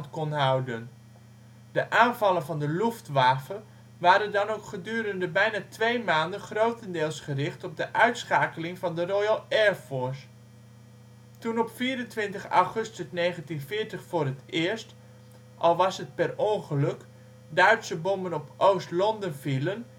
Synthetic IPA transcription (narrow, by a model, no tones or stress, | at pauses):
ntkɔnɦawdən | dəʔaːnvɑlˠənvɑndəluftʋaːfə | ʋaːɾədɑnowkχədyːɾəndəbɛjnatʋejmaːndənχrowtəndɪːlˠsχərɪχtɔb̚dəʔœɥtsχaːkəlɪŋvɑndərojalˠɛɹfɔɹs | tunɔpfiːɾəntʋɪntəχa̰wχɵstəsneːχəntinfɪːɹtəχfʊːrətɪəɹst | ʔɑlˠʋɑsɦət̚pɛrɔŋχəlɵk | dœɥtsəbɔmbənɔpʔowstlɔndənfilən